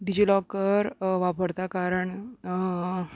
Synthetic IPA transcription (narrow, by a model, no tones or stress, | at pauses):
ɖid͡ʑilɔkəɾʋapəɾt̪akaɾəɳ